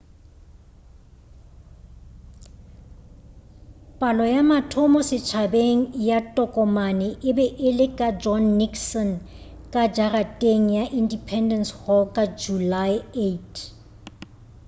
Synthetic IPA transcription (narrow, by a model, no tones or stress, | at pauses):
pʼalɔjamatʰɔmɔsɪt͡ʃʰabeŋ̩jatʼɔkʼɔmanɪʔɪbɛʔɪlɪkʼad͡ʒɔnːikʰsɔn | kʼad͡ʒaratʼeŋ̩jaʔindipʰɛndɛnshɔkʼad͡ʒulaɪetʰ